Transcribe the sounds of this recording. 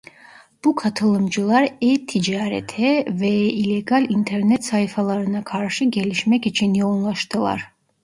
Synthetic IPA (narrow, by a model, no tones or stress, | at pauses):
b̥ukʰat̪ʰɨlˠɨmd͡ʒulˠaɾɛt̪ʰːid͡ʒaɾɛ̰t̪ʰɛvɛilɛɡalint̪ʰɛɾnɛt̪saifalˠaɾɨnakʰaɾʃiɡɛliʃmɛkit͡ʃʰiniɔnlˠaʃt̪ɨlˠa̰ɾ